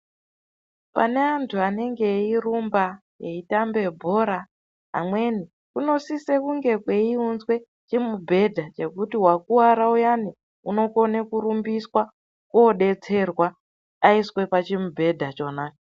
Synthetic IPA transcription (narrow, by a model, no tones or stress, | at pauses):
pa̰ne̞antʰuane̞ŋɡe̞irumba | jeitambe̞bʱo̞ɾa | ɦa̰mwe̞ni | kuno̞sise̞kuŋɡe̞kwe̞iunzwe̞ | t͡ʃimubʱe̞dʱat͡ʃe̞kutiwakuwaɾaujani | uno̞ko̞nekuɾumbiswa | koɗe̞t͡se̞rwa | aiswe̞pat͡ʃimubʱe̞dʱat͡ʃo̞naːka